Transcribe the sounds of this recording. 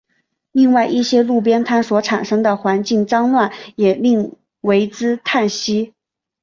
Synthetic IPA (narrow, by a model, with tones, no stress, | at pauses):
li˥˧ŋwa˥˧ɪʔi˥˩ɕjɛ˥lu˥˩p̬jɛ˥nt̪ʰa˥nswɔ˧˥ʈ͡ʂʰa˨˩nʂɤ˥ŋd̪ə˨xwa˧˥nt͡ɕi˥˩ŋʈ͡ʂɑ˥ŋnwa˥˩njɛ˨˩li˥˩ŋ | we˧˥ɪt͡sɹ̩˥t̪ʰa˥˩nɕi˥